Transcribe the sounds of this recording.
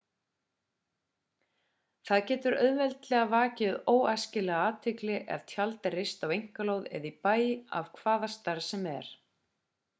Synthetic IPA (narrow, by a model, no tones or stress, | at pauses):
θaðcɛːt̪ʏɾœ̰ðvɛlt̪lɛɣavaːcɪðoːwajscɪlɛɣaaːt̪ʰɪklɪʔɛ̰ðt̪ʰjalt̪ɪrɪst̪awejŋ̥kaloːwðɛ̰ðipaːja̰v̥kʰvaːðast̪aɾsɛmɛ̰ɾ̥